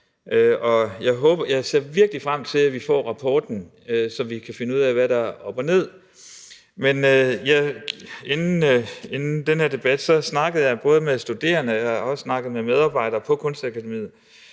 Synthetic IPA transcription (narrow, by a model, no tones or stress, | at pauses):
ʔøɒ̽jɑ̈ɪɦɔ̽ːb̥ɐjɑ̈ɪse̝ɐ̰ʋiɐɡ̥əlifʁam̰t͡sʰe̝læʋifɒ̰ːʁɑ̈pʰɒːd̥n̩ | øsɒ̽ʋikʰæfe̝nəuð̰ˠæʋæɾ̥ɑ̈ɒ̽b̥ɐne̝ð̞̰ˠ | menøjɑɪe̝nn̩e̝nn̩d̥enhe̝ɐ̰d̥e̝b̥æd̥sɒ̽snɑ̈ɡ̥ð̩ˠjɑ̈ɪb̥ɔ̽ːð̞ˠəmesd̥ud̥e̝̰ːɐnəɒ̽səsnɑ̈ɡ̥ð̩ˠmemeð̞ˠɑ̈ːb̥ɑ̈ɪ̰d̥ɐːpʰɒ̽kʰɔ̽nsd̥ækʰæd̥emḭð̩